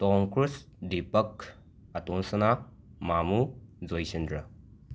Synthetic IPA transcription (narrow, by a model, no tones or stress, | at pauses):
tɔŋkɾus | dipɐk | ɐtonsɐna | mamuzojsindɾɐ